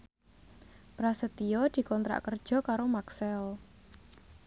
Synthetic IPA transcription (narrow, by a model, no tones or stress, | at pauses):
pɾasət̪iɔd̪̥i̤kɔnt̪ɾa̰ʔkərd̥ʒ̥ɔ̤kaɾomaksɛɔ